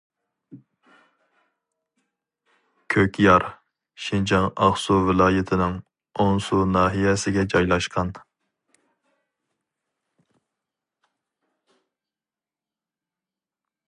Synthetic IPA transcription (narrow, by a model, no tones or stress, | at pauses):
kʲʰøkʲjɑɾ | ʃind͡ʒɑŋɑχsuvɪlˠɑːjɪt̪ʰɪnɪŋ | oŋsunɑːɦijɛsɪɡʲɛd͡ʒɑjlˠɑʃqʰɑn